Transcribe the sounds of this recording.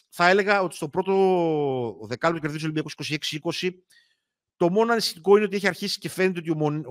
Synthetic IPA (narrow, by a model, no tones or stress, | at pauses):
θɐe̞le̞ɣɐo̞t̪ist̪o̞pɾo̞t̪o̞ | ðe̞kɐlpt̪o̥k̬ʲeðis̬olimbiɐikosi̥ko̞sie̞ksiiko̞si | t̪o̞mo̞nɐnist̪iko̞ineot̪ie̞çiɐɾçisi̥ce̞fenet̪eot̪iomon